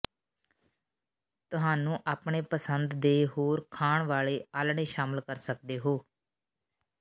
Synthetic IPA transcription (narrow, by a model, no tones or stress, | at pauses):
t̪ʊɦaːnũːʔaːpɳeːpəsənd̪d̪eːɦoːɾkʰaːɳʋaːleːaːlɳeːʃaːməlkəɾsək̚d̪eːɦoː